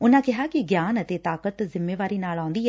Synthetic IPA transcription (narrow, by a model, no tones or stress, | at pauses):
ʊnãːkɪɦaːkɪɡjaːnət̪eːt̪aːkət̪zɪmːeːʋaːɾiːnaːlãːnd̪iːɦɛː